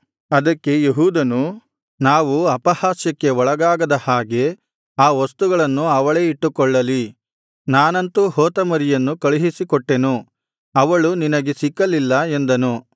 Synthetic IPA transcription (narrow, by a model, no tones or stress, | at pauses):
ɐd̪ɐkːe̞jeɦuːd̪ɐnu | naːʋuɐpɐhaːsjɐkːe̞ɔɭɐɡaːɡɐd̪ɐhaːɡe̞ | aːʋɐst̪uɡɐɭɐnːuɐʋɐɭe̞ːiʈːukɔɭːɐli | naːnɐnt̪uɦoːt̪ɐmɐɾijɐnːukɐɭiɦisikɔʈːe̞nu | ɐʋɐɭuninɐɡe̞sikːɐlilːɐe̞nd̪ɐnu